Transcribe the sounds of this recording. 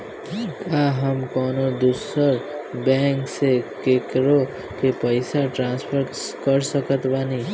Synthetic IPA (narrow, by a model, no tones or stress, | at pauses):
ʈʰikaɦəmkɔːnod̪usəɾbɛ̃ŋksekekɾo | kepəɪsaʈɾãnspʰəɾ | kəɾsəkət̪bani